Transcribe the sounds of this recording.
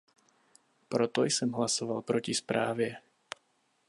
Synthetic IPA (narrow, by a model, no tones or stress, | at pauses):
pɾɔt̪ɔjsɔmɦlasɔʋalˠpɾɔcispɾaːʋjɛ